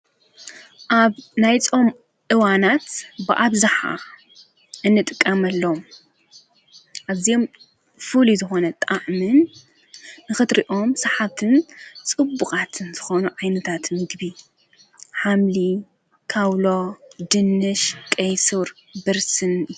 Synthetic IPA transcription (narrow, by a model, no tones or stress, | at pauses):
ʔaβnajt͡sʼo̞m | ʔɨwanat̪bɨʔaβzaħa̰ | ʔɨnːɨt̪ʼɨkʼːɐmɐlːom | ʔaβzijo̞m | fɨlizɨxo̞nɐt̪ʼaʕmɨnː | ɨxɨt̪ɾiʔo̞msɐħaβt̪ʰɨnt͡sʼɨbːukʼat̪ʰɨnz̥ɨxo̞nuʕajnɐt̪ʰat̪mɨɡbi | ħamli | kʰawlod̪ɨnːɨʃkʼejsɨɾ | bɨɾsɨn